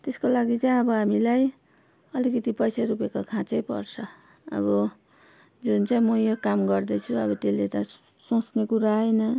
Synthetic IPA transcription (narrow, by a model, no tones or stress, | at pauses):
t̪eskolaɡit͡saj̃ʌbʌɦamilaj | ʌlikʌt̪ipʌjsaɾupekokʰãt͡sʌjpʌ̰rt͡sʰʌ | ʌ̰bʌ | d͡zunt͡saĩmʌjokamɡʌrd̪ʌt͡sʰuʌβʌt̪elːet̪ʌ | sõsnekuɾaɦʌjnʌ